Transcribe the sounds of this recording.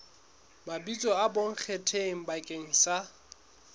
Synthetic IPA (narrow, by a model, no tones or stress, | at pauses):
mabit͡sʼɔaboŋ̩k͡xʰetʰeŋ̩bakʼeŋ̩sa